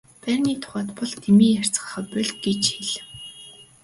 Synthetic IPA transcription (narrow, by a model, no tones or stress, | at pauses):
pæːrʲniːt̪ʰʊ̥χæːt̪pɔɮt̪ʰemiːjar̥t͡sɢə̥̆χə̆pʊɮʲɡet͡ɕxeɮɘ̆w